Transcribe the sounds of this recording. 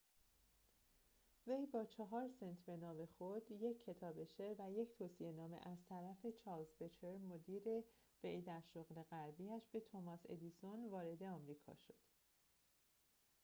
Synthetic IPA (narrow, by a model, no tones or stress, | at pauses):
vejbɒːt͡ʃʰɒɦɒːɾsent̪ʰbe̞nɒːme̞xod̪̥je̞cʰːe̞t̪ʰɒːbe̞ʃeɾvæje̞cʰt̪ʰoːsie̞nɒːmḛʔæzt̪ʰæɾæfe̞t͡ʃʰɒːlzbet͡ʃʰe̞ɾmod̪iːɾe̞v̥ejd̪æɾʃoɣle̞ɣæɾbiæʃb̥e̞t̪ʰomɒse̞̰d̪isonvɒːɾe̞d̪e̞ɒːmɾiːkʰɒ̰ːʃo̞̥d̪̥